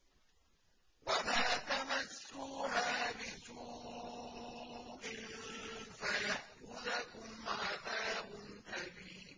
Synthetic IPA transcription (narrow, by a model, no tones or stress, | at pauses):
wamaːt̪amasːuːhaːbɪd͡ʒuː | ʔɪnnfajaʔxʊðakʊmmaðaːbʊnʔabiː